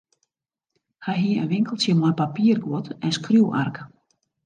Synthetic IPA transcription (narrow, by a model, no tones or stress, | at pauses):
hajɦiːʔɛ̰nʋɪŋkəl̩ˠsjɛmapapiːrɡɔt̪ɛnskɾuwʔa̰rk